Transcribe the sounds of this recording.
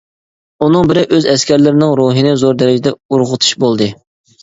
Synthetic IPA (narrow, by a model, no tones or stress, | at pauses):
unɨŋbɪɾɪʔøzɛskʲɛɾlɪɾɪnɪŋɾoɦɨnɪzoɾd̪ɛɾɪd͡ʒɪd̪ɛuɾʁʊt̪ʰu̥ʃbolˠd̪ɨ